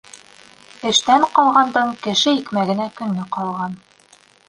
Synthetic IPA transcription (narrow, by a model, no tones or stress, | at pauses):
ɘ̆ʃt̪æɴqɑlˠʁɑnd̪ɤɴkɘ̆ʃɘikmæɡɘ̆nækɵ̆nːɘqɑlˠʁɑn